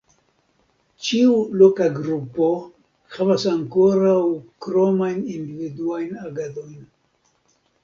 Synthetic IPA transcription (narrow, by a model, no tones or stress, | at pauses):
t͡ʃiulokaɡɾupo̞ | havasaŋko̞ɾawkɾo̞majnindividuajnaɡado̞jn